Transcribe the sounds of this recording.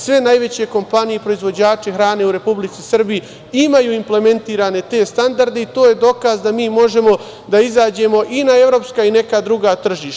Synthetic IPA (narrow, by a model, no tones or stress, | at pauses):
sʋe̞najʋe̞t͡ɕe̞ko̞mpanijepɾo̞izʋo̞d͡ʑaːt͡ʃe̞xɾaːne̞uɾe̞publit̪sisr̩bi | imajuːimple̞me̞nt̪iːɾaːne̞t̪e̞ːst̪and̪aɾd̪e̞it̪o̞ːje̞d̪o̞kazd̪amiːmo̞ʒe̞mo̞ | d̪aizaːd͡ʑe̞mo̞ʔinae̞ʋɾo̞ːpskaine̞kad̪ɾuɡaːt̪r̩ʒiːʃt̪